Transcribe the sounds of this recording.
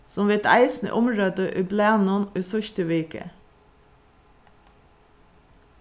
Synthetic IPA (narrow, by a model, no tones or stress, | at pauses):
sɔmʋɪːt̪ʰæ̰ɪsn̩ə̰ʔʊmɹøːd̪əʔyːbleːnuːnyːsœçt̪əʋiːkə̰